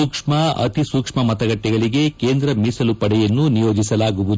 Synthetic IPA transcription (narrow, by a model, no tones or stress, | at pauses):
ukʂmɐɐ̰t̪isuːkʂmɐmɐt̪ɐɡɐʈːɛɡɐɭiɡe̞keːnd̪ɾɐmisɐlupɐɽɛjɐnːunijo̞ːd͡ʒisɐlaːɡuʋud̪u